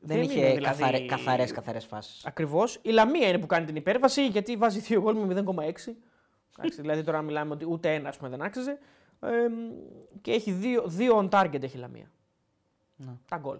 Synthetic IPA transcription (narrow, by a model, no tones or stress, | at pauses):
ðeeniçeðilɐðθɐɾekɐθɐɾeskɐθɐɾesfɐ̰si̥sɐkɾivo̞silɐmiɐine̞pukɐnit̪inipe̞ɾvɐsiʝɐt̪ivɐziθioɣo̞lmimiðe̞ŋko̞mɐe̞ksi | t̪ɐ̰ksiðilɐðit̪o̞ɾɐmilɐmeo̞t̪iut̪e̞e̞nɐːspume̞ðe̞nɐksize̞ | ceeçiðioðio̞ɐnt̪ɐɾʝet̪eçilɐ̰mḭɐ̰ | net̪ɐɡo̞̰l